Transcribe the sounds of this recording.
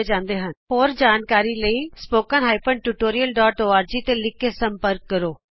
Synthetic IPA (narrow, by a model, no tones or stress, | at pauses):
d͡ʒãːnd̪eːɦənɦoːɾd͡ʒaːnkaːɾiːləiːspoːkənɦaːɪpəɳʈuʈoːɾijəlɖɔːʈoːaːɾd͡ʒiːt̪eːlɪkːeːsəmpəɾkːəɾoː